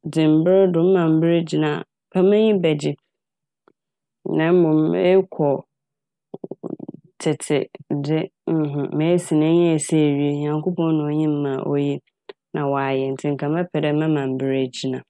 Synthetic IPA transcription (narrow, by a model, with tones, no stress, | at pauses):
dɪ̃˨m˨bɪ˦ɾdʊ̃˨m̩˦mã˨m̩˦bɪ˦ɾe˦d͡ʑi˨nã˨pʰɛ˦mɛ̃˦ɲĩ˦bɛ˨d͡ʑɪ˦ | nã˦m˦mʊ̃˨me˦kʰɔ˨ | tʰɪ˨tʰɪ̰˨dɪ˦m̩˦ɦʊ̃˨mẽ˨˦si˨nã˦ɲ̃˦æ˨se˦˨ɥi˦e˦ɲã˨ŋko˦pɔ̃˦n˦nʊ̃˨˦ɲĩ˦m̩˦mã˨ʔo̰˦ji˦ | nã˨wa˨jɛ˨n̩˨tʰɪ˨ŋ̩˨kʰã˨mɛ̃˦pʰɛ˨dɛ˦mɛ̃˦mã˨m̩˨bɪ˦ɾe˦˨d͡ʑi˨˦nã˨